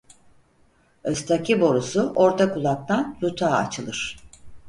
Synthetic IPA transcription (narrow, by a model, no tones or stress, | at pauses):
øst̪ʰacibo̞ɾusuʔo̞ɾt̪ʰakulˠak̚t̪ʰanɾut̪ʰaːa̰t͡ʃʰɯlˠɯɾ̝̥